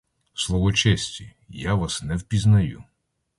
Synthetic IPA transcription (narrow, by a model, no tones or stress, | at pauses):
slˠɔʋɔt͡ʃɛsʲtʲi | jaʋasnɛwpʲiznɐju